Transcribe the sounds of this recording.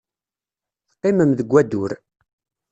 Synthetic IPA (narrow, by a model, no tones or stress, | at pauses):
θqːɪməmðəɡʷːæd̪ʊɾ